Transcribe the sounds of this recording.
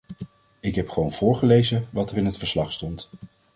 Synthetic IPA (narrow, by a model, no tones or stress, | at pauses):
ɪkɦɛpχəʋownv̥ʊːɹχəlejzəʋɑtɛrɪnɦətfəɹslɑχstɔnt